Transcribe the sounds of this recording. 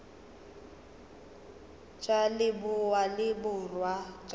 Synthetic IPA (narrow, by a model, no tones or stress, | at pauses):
t͡ʃʼalɪbʊwalɪbʊrwat͡ʃʼ